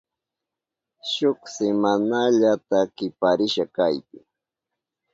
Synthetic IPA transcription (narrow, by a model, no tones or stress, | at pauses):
ʃʊksɪmanaʎat̪akɪpaɾɪʃakajkɪ